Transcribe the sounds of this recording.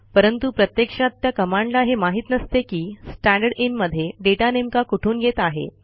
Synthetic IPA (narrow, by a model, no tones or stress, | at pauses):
pəɾənt̪upɾət̪jekʂat̪ːjakəmaɳɖlaɦemaɦit̪nəst̪ekiːsʈæ̃ɳɖəɽinməd̪ʱːjeɖeʈanemkakuʈʰuːnɡʱet̪aɦḛ